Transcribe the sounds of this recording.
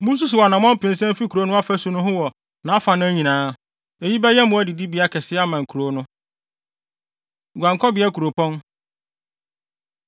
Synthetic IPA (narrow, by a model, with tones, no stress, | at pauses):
mũ˦s̬u˦sʊ˨wɔ˨nã˨mɔ̃˦m̩˦pɪ̃˨n̩˦sɛ̃˦m˦fi˦kʰu˨ɾo˦nʊ̃˦a˦fæ˦su˨nʊ̃˦ɦʊ̃˦wɔ˨ | nã˨˦a˦fa˨nʊ̃˦ɲĩ˨nãː˨˦ | e˨ji˦bɛ˦jɛ˦mʊ̃˨˦æ˦di˨di˦bi˨˦a˦kʰɛ˨sɪ˦a˦mã˨ŋ̩˨kʰu˨ɾo˨˦nʊ̃˦˨ | ɡʷã˨ŋkʰɔ˦bɪ˨˦ɛ˦kʰu˨ɾo˨pʰɔ̃˦n